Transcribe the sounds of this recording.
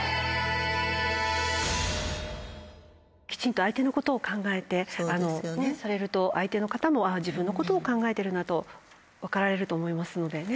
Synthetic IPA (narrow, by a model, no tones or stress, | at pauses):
kʲi̥t͡ɕĩnt̪o̞ait̪e̞no̞ko̞t̪o̞ːkãŋɡae̞t̪e̞ano̞nesaɾe̞ɾɯ̟t̪o̞ʔait̪e̞no̞kat̪amo̞aʑibɯ̟̃nːo̞ko̞t̪o̞ːkãŋɡae̞t̪e̞ɾɯ̟nat̪o̞ | βakaɾaɾe̞ɾɯ̟t̪o̞ːmo̞imasɨno̞d̪e̞ne